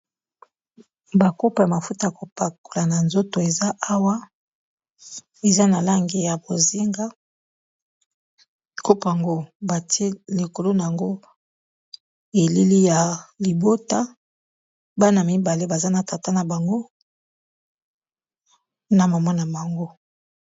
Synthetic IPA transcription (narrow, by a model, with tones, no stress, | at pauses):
ba˨ko˦pa˨ja˨ma˨fu˦ta˨ja˨ko˨pa˨ko̥˨la˨na˨nzo˦to˨e˨za˦a˦wa˦ | e˨za˦na˨la˦ŋɡe˨ja˨bo˨ze˦ŋɡa˦ | ko˦pa˨ŋɡo˦ba˨ti˦e˦le˨ko˨lo˦na˨ja˨ŋɡo˦ | e˨li˦li˦ja˨li˨bo˦ta˦ | ba˦na˨mi˦ba˨le˦ba˨za˦na˨ta˨ta˦na˨ba˨ŋɡo˦ | na˨ma˨mɔ˦na˨ma˨ŋɡo˦